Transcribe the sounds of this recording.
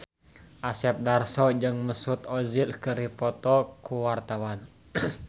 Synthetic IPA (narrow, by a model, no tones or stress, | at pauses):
ʔasɛp̚darsɔd͡ʒɨŋməsut̪ɔzilkəɾipɔt̪ɔkuwart̪awan